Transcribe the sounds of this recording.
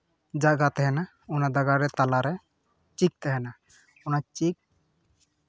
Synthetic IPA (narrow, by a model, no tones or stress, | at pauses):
d͡ʒaɡat̪ɛɦɛna | unad̪aɡaɾɛt̪alaɾɛ | t͡ʃik̚t̪ɛɦɛna | unat͡ʃik̚